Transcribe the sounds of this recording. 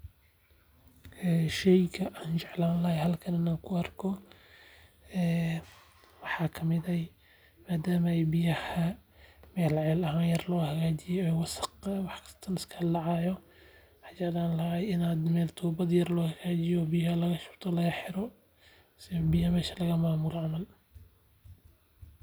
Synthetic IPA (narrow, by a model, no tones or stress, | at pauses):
ɛːʃɛjkʰɐʔaːnt͡ʃɛʕlaːnlɐhɛjɦɐlkʰɐnɪnaːkʰʊɐrkʰɔ | ɛː | wɑħɑːkʰɐmɪðɐ | maːd̪aːmɐɛjbɪjɐhɐmɛːlʕɛːlɐɦaːnjɐrlɔːhɐɣaːt͡ʃɪjɔɛjwɑsɑ̥qːwɑħkʰɐ̥st̪ʰɐnɪskʰɐdɑʕɑːjɔ | wħɑt͡ʃɛʕlaːnlɐhajɪnaːd̪mɛːlt̪ʰuːbɐd̪jɐrlɔːhɐɣaːt͡ʃɪjɔːbɪjɐɦɐlɐɣɐʃʊ̥bt̪ʰɔlɐɣɐħɪɾɔ | sɪjbɪjɐmɛːʃɐ̥lɐɣɐmaːmʊlɔʕɑmɐl